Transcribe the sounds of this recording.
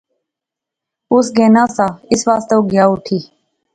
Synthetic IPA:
ʊsɡẽːnãːsaːɪsʋaːst̪əoːɡjaːʊʈʰiː

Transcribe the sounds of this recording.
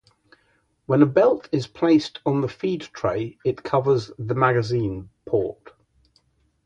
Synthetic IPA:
wə̃nəbɛlˠtʰɪz̥pʰl̥eɪstn̩ðəfiːdtʰɹ̥eɪɪʔkʰʌvəzðəmaɡəzĩːnpʰɔˑt

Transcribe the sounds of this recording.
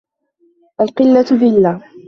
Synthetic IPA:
ʔalqɨlːat̪ðɪlːaː

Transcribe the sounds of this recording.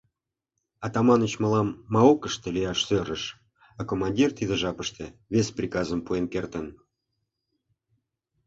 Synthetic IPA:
ɑt̪ɑmɑnə̆t͡ɕmɑlɑmːɑokəʃt̪ĕlʲijɑʃsøɾəʃ | ɑkomɑnʲdʲirt̪id̪ə̆ʒɑpəʃt̪ĕβʲesʲprʲikɑzəmpuenkert̪ən

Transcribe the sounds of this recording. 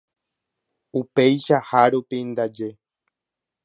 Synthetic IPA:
upejʃahaɾupind̪ad͡ʒe

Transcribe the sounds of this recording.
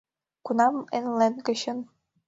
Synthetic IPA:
kunɑmḛnlenɡɤ̆ɕɤ̆n

